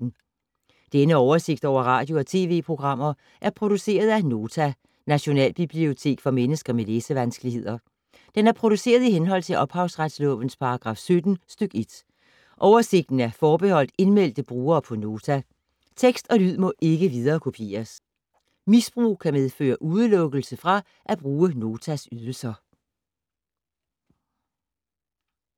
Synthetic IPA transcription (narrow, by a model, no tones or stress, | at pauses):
n̩ | d̥enəɒʊɐse̝ɡ̥̚d̥ɒ̰ʊ̰ɐʁɑ̈ːd̥jo̝ɒ̽t͡sʰe̝̰ːʋe̝̰ːpʰʁo̝ɡ̥ʁɑ̈m̰ɐ | ʔæɐpʰʁo̝ɾ̥use̝̰ːɐð̞ˠæno̝ːt͡sʰæ | næɕo̝nɛ̰ːlb̥ib̥lio̝t͡sʰe̝̰ːɡ̥fɒ̽menəsɡ̥ɐmeleːsəʋænsɡ̥əlihe̝ð̞̰ˠɐ | d̥enæɐpʰʁo̝ɾ̥use̝̰ːɐð̞ˠiɦenɦɒ̽l̰t͡sʰe̝lʔɒ̽b̥hɑ̈ʊsʁad̥slɔ̰̽ʋn̩spʰɑ̈ɑɡ̥ʁɑ̈ːfsød̥n̩sd̥øɡ̥e̝d̥ | ʔɒʊɐse̝ɡ̥̚d̥n̩æɐfɒːb̥e̝hɒ̽l̰d̥e̝nmel̰d̥əb̥ʁuːɐːpʰɒ̽no̝ːt͡sʰæ | t͡sʰeɡ̥sd̥ɒ̽lyð̞̰ˠmɒ̽ʔe̝ɡ̥əʋiðˠɐːkʰo̝pʰe̝̰ːɐs | misb̥ʁṵːkʰæmeðˠfø̰ːɐʔuð̞ˠəlɔ̽ɡ̥əl̩səfʁɑ̈ | ʔæb̥ʁuːəno̝ːt͡sʰæsyðˠl̩sɐ